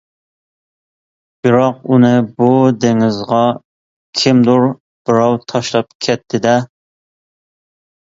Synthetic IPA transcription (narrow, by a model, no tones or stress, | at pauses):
b̥ɪɾɑq̚unɨbud̪eŋɪzʁɑ | kʲʰɪmd̪uɾ | b̥ɪɾɑwt̪ʰɑʃlˠɑp̚kʲʰɛt̪ʰːɪd̪ɛ